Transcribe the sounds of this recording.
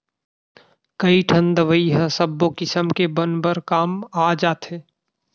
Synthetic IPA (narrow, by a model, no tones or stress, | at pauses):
kɐiʈʰə̃nd̪əʋəiɦə̃səbːokɪsəmkebənbəɾkaːmaːd͡ʒaːt̪ɦeː